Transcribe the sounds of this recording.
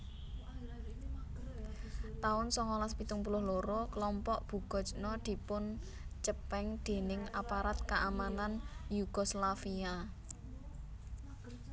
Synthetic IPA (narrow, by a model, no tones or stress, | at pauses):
t̪aʊnsɔŋɔlaspit̪ʊŋpulʊhloɾɔklɔmpɔʔb̥ṳɡ̥ɔ̤t͡ʃnɔd̪̥i̤pʊn | t͡ʃəpɛŋd̪̥e̤nɪŋapaɾat̪̚kaʔamananjuɡ̥ɔslafia